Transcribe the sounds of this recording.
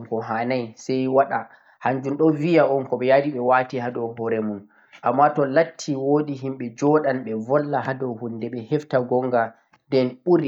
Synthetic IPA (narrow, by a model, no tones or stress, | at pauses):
kɔɦanajsɛjwaɗa | haɲd͡ʒunɗɔvijaɔnkɔɓɛjadiɓɛwatihadɔwbɔɾɛmun | ʔamːatɔlatʰːiwoɗiɦimɓɛd͡ʒɔɗanɓɛvɔlːahadɔwhundɛɓɛhɛftaɡɔŋɡa | dɛnɓuɾi